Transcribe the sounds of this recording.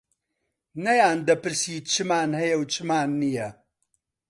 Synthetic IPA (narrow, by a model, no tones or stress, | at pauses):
nɐjaːnd̪ɐpɨɾsiːt͡ʃʰɨmaːnhɐjɐwt͡ʃʰɨmaːnːijɐ